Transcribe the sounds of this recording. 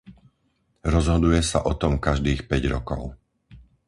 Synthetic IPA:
ɾɔzɦɔd̪ujɛsa̰ʔɔt̪ɔmkaʒd̪iːxpɛɟɾɔ̰kɔ̰ʊ

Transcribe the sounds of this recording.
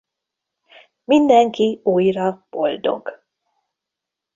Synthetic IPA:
mind̪ɛŋkiuːjrɒb̥o̞ld̪o̞̰ɡ

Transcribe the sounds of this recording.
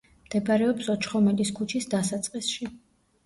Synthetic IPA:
md̪̥ɛbɾɛɔpsɔt͡ʃʰχɔmɛliskʰut͡ʃʰisd̪asat̪sʼqʼisʃi

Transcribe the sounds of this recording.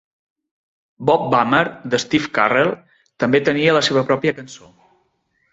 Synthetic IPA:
bɔp̚baməɾd̪əst̪ifkarɛlˠ | t̪əmbet̪əniələseβəpɾɔpiəkənso

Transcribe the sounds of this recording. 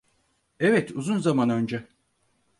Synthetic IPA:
ɛvɛt̪uzunzamanø̞nd͡ʒɛ

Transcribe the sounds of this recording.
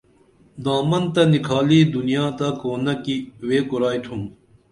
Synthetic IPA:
d̪aːmɐnt̪ɐnikʰaːliːd̪unijaːt̪ɐkoːnɐkiweːkuɾaːjt̪ʰum

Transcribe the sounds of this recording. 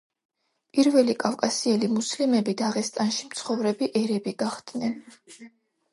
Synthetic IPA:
pʼiɾvɛlikʼafkʼasiɛlimuslimɛbid̪aʁɛst̪ʼanʃimt̪sʰχɔvɾɛbiʔɛɾɛbiɡaχd̪nɛn

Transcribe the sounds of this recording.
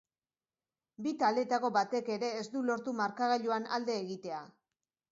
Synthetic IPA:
bit̪ald̪e̞t̪ako̞bat̪e̞ke̞ɾe̞ːzd̪ulo̞ɾt̪umaɾkaɣaʎuanald̪e̞ːɣit̪e̞a

